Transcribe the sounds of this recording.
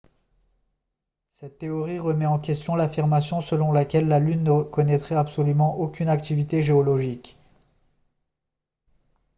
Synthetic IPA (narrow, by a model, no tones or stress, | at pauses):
sɛt̪ːeɔʁiʁəmɛɑ̃kʲɛst̪jɔ̃lafiʁmasjɔ̃səlɔ̃lakʲɛlːalynːəkɔnɛt̪χɛapsɔlymɑ̃ʔokʲynakt̪ivit̪eʒeɔlɔʒik